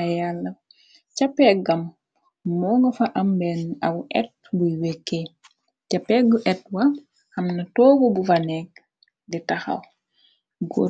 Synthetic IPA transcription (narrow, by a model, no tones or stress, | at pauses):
jalːɐ | t͡ʃapːɛɡamː | ɔŋɡɔfaʔambɛnawʔɛ̰t̚bujwekːe | t͡ʃapːɛɡuʔɛt̚wa | hamnatɔːɡɔbufanɛɡ̚ | ditaxa̰w | ɡo̰